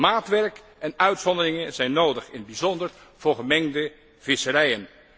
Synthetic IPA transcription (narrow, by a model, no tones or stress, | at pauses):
maːtʋɛɹk | ɛnœɥtsɔndərɪŋənzɛjnːowdəχɪnbizɔndəɹv̥ʊːɹχəmɛŋdə | v̥ɪsərɛjən